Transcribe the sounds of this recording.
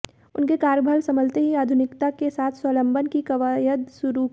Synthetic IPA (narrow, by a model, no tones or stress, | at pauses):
ʊnkekaːɾjəbʱəlsɐməlt̪eɦiaːd̪ʱʊnɪkt̪akesaːt̪ʰsələ̃mbʱənkikɐʋajəd̪sʊɾu